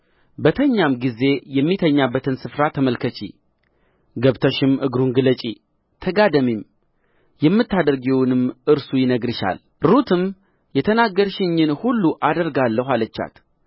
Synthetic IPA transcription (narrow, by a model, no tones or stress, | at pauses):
bət̪ʰəɲːamɡize̞jɛmːit̪ʰəɲːabːət̪ʰɨnsɨfɾat̪ʰəməlkʰət͡ʃḭ | ɡəβt̪ʰəʃɪmɨɡɾunɡɨlət͡ʃʼi | t̪ʰəɡad̪əmim | jɛmːɨt̪ːad̪əɾɡiwnɨmʔɨɾsujɪnəɡɾɨʃa̰l | ɾut̪ʰɨm | jɛt̪ʰənaɡːəɾʃɪɲːɪnhulːuʔad̪əɾɡalːəhʷalət͡ʃːa̰t̪